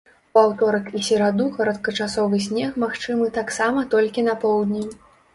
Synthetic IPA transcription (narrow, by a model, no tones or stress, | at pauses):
pawt̪ɔɾɐkisʲɛɾad̪ukɐɾɐt̪kɐt͡ʂasɔvɨsʲnʲɛxmaxt͡ʂɨmɨt̪aksamɐt̪ɔlʲkʲinɐpɔwd̪ʲnʲi